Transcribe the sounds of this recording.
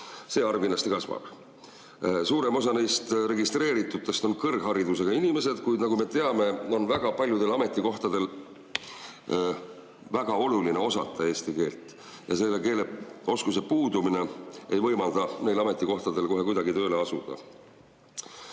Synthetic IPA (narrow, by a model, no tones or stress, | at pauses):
se̞ːɑrvinlɑst̪ikɑsmɑ̰b̥ | suːɾe̞mo̞sɑnejst̪ɾe̞ɡist̪ɾe̞ːɾit̪ːˑut̪ːˑe̞st̪o̞nkɤrɡ̥ɦɑɾid̪us̬e̞ɡɑinʲimese̞d̪̥kujd̪nɑɡume̞t̪e̞ɑme̞o̞nvæɡ̥ɑpɑlʲjud̪e̞lɑme̞t̪ˑːiko̞ht̪ɑd̪e̞l | væɡ̥ɑo̞luline̞o̞sɑ̰t̪ʰːˑɑe̞ːst̪ike̞ːlt̪ˑ | jɑse̞lːeke̞ːleo̞skus̬e̞puːd̪umine̞ejvɤjmɑld̪̥ɑne̞ːlɑme̞t̪ːˑiko̞ht̪ɑd̪e̞lko̞ɦe̞kujd̪ɑɡit̪ø̞ːle̞ɑsud̪̥ɑ̰